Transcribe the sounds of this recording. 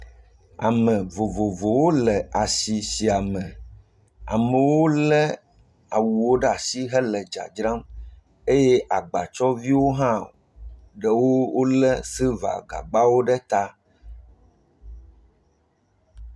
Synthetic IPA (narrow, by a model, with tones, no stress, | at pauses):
a̰˨mɛ̃˨vo˨vo˨vo˨wo˦lɛ˨a˨si˨si˨a˨mɛ̃˨ | a̰˨mə˨wo˦lɛ˦ | a˨wu˨wo˦ɖɛ˦a˨si˦ɦɛ˦lɛ˨d͡ʒa̰˨d͡ʒɾã˦m | e˦jɛ˦ʔa˨ɡ͡ba˨t͡ʃɔ˦vi˦wo˦ɦã˦ | ɖɛ˦wo˦wo˦lɛ˦si˦va̰˨ɡa̰˨ɡ͡ba˦wo˦ɖɛ˦t̪a˦